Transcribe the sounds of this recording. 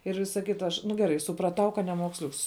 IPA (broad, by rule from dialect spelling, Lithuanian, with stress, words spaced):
ɪr ˈʋʲɪsɐ ˈkʲɪtɐ ˈɐʃ nʊ ɡʲɛˈrɐɪ sʊprɐˈtɐʊ kɐt nʲɛmuɔksʲˈlʲʊks